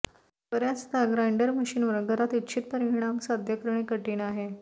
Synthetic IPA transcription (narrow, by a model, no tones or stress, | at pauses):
kəɾjat͡st̪aɡɾajɳɖəɾməɕiːnʋəɾɡəɾat̪it̪ːt͡ɕʰit̪̚pəɾiɳ̃amsad̪ʱjəkɾəɳekəʈiːñaɦe